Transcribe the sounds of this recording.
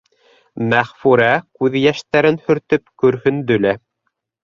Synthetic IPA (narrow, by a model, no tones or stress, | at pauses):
mæʁfuɾækʉðjæʃt̪æɾɘnhɵ̆ɾt̪ɵpkɵ̆ɾhɵnd̪ɵ̆læ